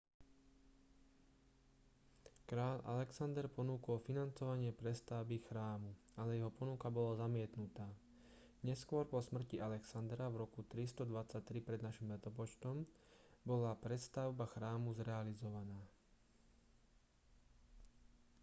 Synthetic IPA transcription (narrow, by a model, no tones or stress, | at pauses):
kɾaːlʔa̰lɛksand̪ɛɾpɔnuːkɔlfinant͡sɔʋaɲɪɛpɾɛst̪aʊbixɾaːmu | alɛjɛɦɔpɔnukabɔlazamɪɛt̪nut̪aː | ɲɛskʊɔɾpɔsmr̩cialɛksand̪ɾavɾɔkut̪ɾist̪ɔd̪ʋat͡sːac̚t̪ɾipɾɛd̪naʃimʋɛt̪ɔpɔt͡ʃt̪ɔm | bɔlapɾɛst̪aʊbaxɾaːmuzɾɛalizɔʋanaː